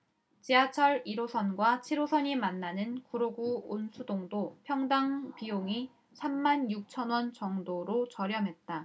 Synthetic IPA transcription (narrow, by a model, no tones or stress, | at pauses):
t͡ɕiat͡ɕʰʌɾiɾosʰʌnɡwat͡ɕʰiɾosʰʌɲimanːanɯnkuɾoɡuonsʰudoŋdopʰjʌŋdaŋpijoŋi | sʰamːanjuk̚t͡ɕʰʌnwʌnt͡ɕʌŋdoɾot͡ɕʌɾjʌmɦe̞t̚t͈a